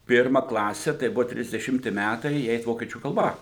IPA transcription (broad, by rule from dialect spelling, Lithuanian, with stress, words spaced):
ˈpʲɪrmɐ ˈklˠɑːsʲɛ tɐɪ ˈbʊʋoː tʲrʲɪzʲdʲɛˈʃʲɪmʲtʲɪ ˈmʲætɐɪ jɪ ˈɛɪt ˈʋoːkʲiɛt͡ʃʲuː kɐlˠˈbɐ